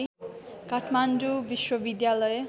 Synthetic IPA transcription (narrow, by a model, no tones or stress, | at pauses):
kaʈʰmandubiʃwobid̪jalɔje